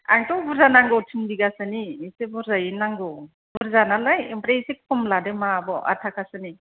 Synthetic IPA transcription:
a̰ŋtɔwbuɾzanaŋɡɔwtʰiŋbiɡasɯniːsebɔɾzajinaŋɡɯw | buɾzanalajimpɾesek̚pʰumlademabɔʔa̰tʰakʰasɯni

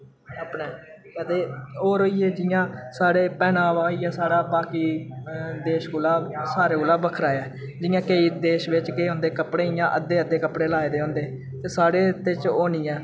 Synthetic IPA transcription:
aːpneː | ɛd̪eːoːɾoːiːeːd͡ʒɪjãːsaːɽeːpɛːnãːʋaːjãːsaːɽaːbaːkiː | d̪eːʃkʊlaːsaːɾeːɡolaːbəkʰɾaːeɛː | d͡ʒɪjãːkeːiːd̪eːʃʋɪt͡ʃkeːɦõːnd̪eːkəpɽeːɪjãːʔəd̪eːəd̪eːkəpɽeːlaːed̪eːɦõːnd̪eː | t̪eːsaːɽeːt̪et͡ʃoːniːɛ̃ː

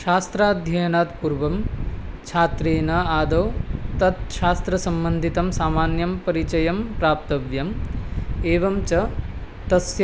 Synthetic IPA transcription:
ʃaːst̪ɾaːd̪ʱjɐjɐnaːt̪puɾʋɐmt͡ʃʰaːt̪ɾeːnɐaːd̪ɐwt̪ɐt̪ʃaːst̪ɾɐsɐmbɐnd̪ʱit̪ɐmsaːmaːnjɐmpɐɾit͡ʃɐjɐmpɾaːp̚t̪ɐʋjɐm | eːʋɐmt͡ʃɐ | t̪ɐsj

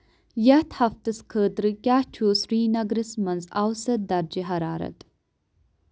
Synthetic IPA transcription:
jɐt̪hɐft̪ɨskʰəːt̪ɾɨkʲaːht͡ʃʰuːsɾiːnɐɡɾɨsmɐnzawsɐd̪ɐɾd͡ʒiɦɐɾaːɾɐ̰t̪

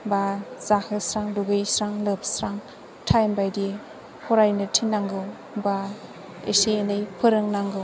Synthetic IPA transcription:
bazahɯsɾaŋduɡejsɾaŋlɯp̚ʰsɾaŋ | tʰajmbajdi | hʰɔɾajnɯtʰinːaŋɡɯw | ba | ḛsejenɯjpʰɯɾɯŋnaŋɡɯw

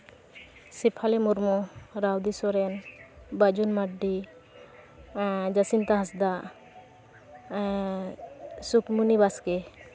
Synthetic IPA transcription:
sipʰalemuɾmuɾawd̪isɔɾɛnbad͡ʒunmaɖːi | d͡ʒasint̪aɦasd̪a | sukmunibaske

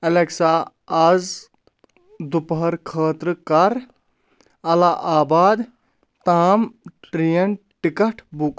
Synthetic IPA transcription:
ɐleksaː | aːz | d̪upɦɐɾkʰəːt̪ɾɨkɐɾ | ɐlaʔaːbaːd̪ | t̪aːmʈɾijɐnʈikɐʈʰbuk

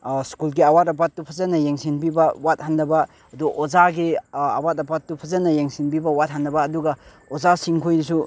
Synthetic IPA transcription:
skulɡiawatapat̚ːupʰɐzɐnɐjeŋsinbibɐwat̚handɐbɐ | ɐduʔozaɡiawatɐpat̚ːupʰɐzɐnɐjeŋsinbibɐwat̚handɐbɐːduɡɐ | ozasiŋkʰojdisu

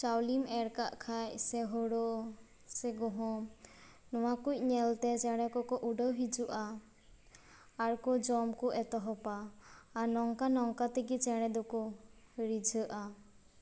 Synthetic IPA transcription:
t͡ʃawlimɛɽkaʔkʰacsɛɦɔɽɔ | sɛɡɔɦɔ̃ | nɔwakuc̚ˀɲɛlt̪ɛt͡ʃɛɽ̃ɛkɔkɔʔuɖəwɦid͡ʒuʔa | ɽkɔd͡ʒɔmkɔʔɛt̪ɔɦɔpaː | nɔŋkanɔŋkat̪ɛɡit͡ʃɛɽ̃ɛd̪ɔkɔ | ɾid͡ʒʱəʔa

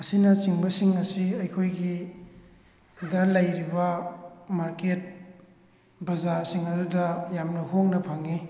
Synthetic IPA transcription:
ɐsinɐt͡ʃiŋbɐsiŋɐsiɐjkʰojɡi | dɐlɐjɾibɐmaɾket̚ | bɐzaɾsiŋɐdudɐjamnɐɦoŋnɐpʰaŋi

